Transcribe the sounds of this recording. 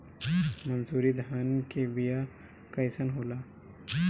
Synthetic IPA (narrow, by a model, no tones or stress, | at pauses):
mɐnzuːɾid̪ʱaːnkeʋija | kɐɪsənɦoːlaː